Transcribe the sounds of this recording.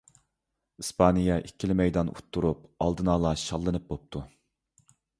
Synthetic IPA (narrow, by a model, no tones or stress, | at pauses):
ɨspʰɑnɨjɑʔikʲʰːilɪmɛjd̪ɑnʔṵt̪ʰːuɾup̚ɑ̰lˠd̪ɨnɑːlˠɑʃɑlˠːɨnɨp̚bop̚t̪ʰu